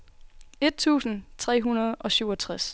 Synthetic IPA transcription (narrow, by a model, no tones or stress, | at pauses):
e̝d̥̚t͡sʰṵːsn̩t͡sʰʁɛ̰ːɦunɐð̞ˠʔɒ̽syːɒt͡sʰʁas